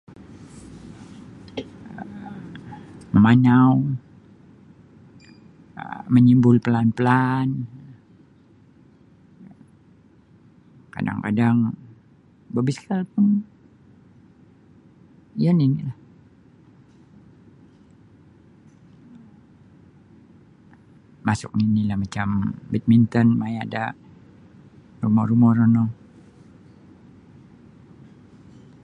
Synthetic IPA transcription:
məmaɲaw | ə̰məɲimbʊlpəlanpəlan | ka̰da̰ŋka̰daŋ | bəbiskalpʊn | janinilah | masʊ̰k̚ninilahmat͡ʃambit̪̚mint̪ɔnmajada | rumɔ̰hɾumɔɾonɔ

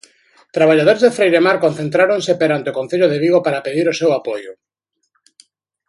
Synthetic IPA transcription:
t̪ɾaβaʎað̞oɾezðefɾejɾemaɾkon̟θẽnt̪ɾaɾoŋsepeɾant̪eokonθeʎʊðeβiɣopaɾapeðiɾʊsewapojʊ

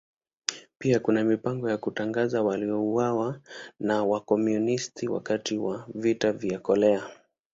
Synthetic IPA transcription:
piakunamipaŋɡɔjakutaŋɡazawaliɔuwawanawakɔmjunistiwa̰katiwavitavjakɔlɛa

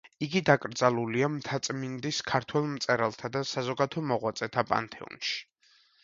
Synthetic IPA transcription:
iɡid̪akʼɾd̪zalˠuliamt̪ʰat̪sʼmind̪iskʰaɾt̪ʰwɛlˠmt̪sʼɛɾalˠt̪ʰad̪asazɔɡad̪ʰɔmɔʁwat̪sʼɛt̪ʰapʼa̰nt̪ʰɛɔ̰nʃi̥

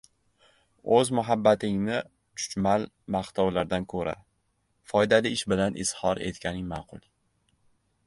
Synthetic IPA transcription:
ɵzmʊɦabːat̪ʰɪŋnɪ | t͡ʃʰʊ̥t͡ʃmal | maχt̪ʰɒwlaɾd̪ankʰɵɾa̰ | fɒjd̪alɪɪʃbɪlanʔɪ̰shɒɾe̞̰t̪kʲanɪŋmɑqʰʊ̰lˠ

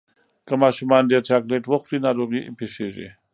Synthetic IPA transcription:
kamɑʃumɑnd̪eɾt͡ʃɑkleʈwəxɾinɑɾoɣipeʂeʒḭ

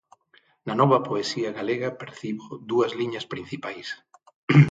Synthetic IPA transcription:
nɐnɔβɐpoesiɐɣaleɣɐpeɾθiβoðuɐzliɲɐspɾin̟θipajs

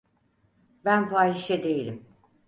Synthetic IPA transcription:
bænfaːiʃɛd̪e̞jilʲim

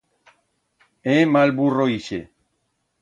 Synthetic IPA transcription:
emalburoiʃḛ

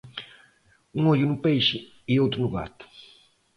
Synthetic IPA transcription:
ũŋoʎʊnʊpejʃɪ | ɪowt̪ɾʊnʊɣa̰t̪ʊ̥

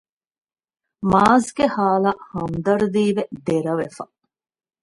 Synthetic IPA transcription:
maːzɡehaːlahɐmd̪ɐɾd̪iːʋed̪eɾɐʋefɐ

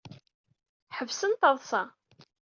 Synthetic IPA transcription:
ħəvsənt̪əðˤsɑ

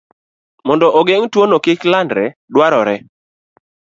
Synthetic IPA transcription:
mɔndɔʔoɡeŋtwonokɪklandɾɛdwaɾɔɾɛ

